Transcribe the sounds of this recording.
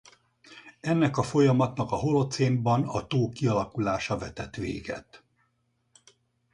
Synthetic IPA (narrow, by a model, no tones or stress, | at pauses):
ɛnːɛkɒfo̞jɒmɒt̪nɒkɒɦo̞lo̞t̪seːmbɒnɒt̪oːkiɒlɒkulaːʃɒvɛt̪ɛt̪ʋḛːɡɛ̰t̪